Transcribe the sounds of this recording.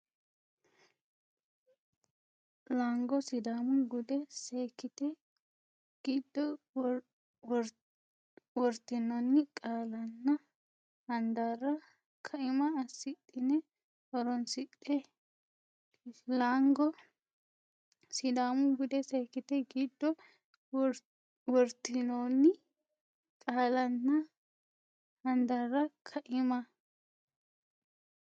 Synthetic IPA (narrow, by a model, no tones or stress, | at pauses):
laŋɡɔsɪd̪aːmʊɡʊd̪ɛseːkːɪt̪ɛ | ɡ̥id̪ːɔ | w | wɔɾt̪ːɪnːɐnːɪkʼaːlɐnːɐ | hɐnd̪arɐ | kʰɐʔɪmɐːsːɪt̪ʼːɪnɛ | ɔɾɔnsɪt̪ʼːɛ | laŋɡɔ | sɪd̪aːmʊɡʊd̪ɛsɐjkːɪt̪ɛɡiːd̪ːɔ | wɔɾt̪ːɪnonːɪ | kʼaːlɐnːɐ | hɐnd̪ɐrːɐkʰɐʔɪmɐ